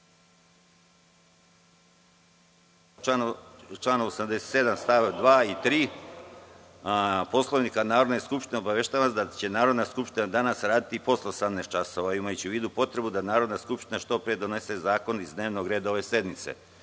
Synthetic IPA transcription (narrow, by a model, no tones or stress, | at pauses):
at͡ʃlaːnoosamd̪e̞set̪se̞d̪amst̪aʋed̪ʋaːit̪ɾiː | po̞slˠoʋniːkanaːɾo̞d̪neskupʃt̪ineobaʋeʃt̪aːʋasd̪at͡ɕe̞naːɾo̞d̪naskupʃt̪inad̪anasɾaːd̪it̪ipo̞sleosamnest̪t͡ʃaso̞ʋaimajut͡ɕeuʋiːd̪upo̞t̪ɾe̞bud̪anaːɾo̞d̪naskupʃt̪inaʃt̪o̞pɾied̪o̞ne̞se̞zaːko̞nizd̪ne̞ːʋno̞ɡɾeːd̪aoʋe̞se̞d̪mit̪sḛ